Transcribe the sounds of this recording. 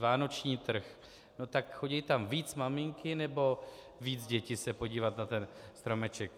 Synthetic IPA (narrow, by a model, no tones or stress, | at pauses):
vaːno̞t͡ʃɲiːt̪r̩x | not̪akxoɟɛjt̪amviːt͡smamɪŋkɪnɛbo̞ | viːd͡zɟɛcɪsɛpo̞ɟiːvat̪nat̪ɛnst̪ɾo̞mɛt͡ʃɛk̚